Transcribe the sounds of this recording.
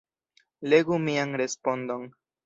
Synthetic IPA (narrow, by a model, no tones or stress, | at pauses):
le̞ɡumianɾe̞spo̞ndo̞n